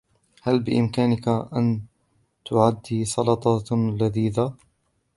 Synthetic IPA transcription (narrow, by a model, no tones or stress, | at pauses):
halbɪʔɪmkaːnɪkaʔan | t̪ʊʕad̪ːiːsˤɑlɑt̪ˤɑlaðiːða